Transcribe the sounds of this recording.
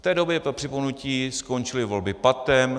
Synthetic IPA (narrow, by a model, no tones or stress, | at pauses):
ft̪ɛːdo̞bjɛpɾopr̥ɪponuciːsko̞nt͡ʃɪlɪvo̞lbɪpat̪ɛm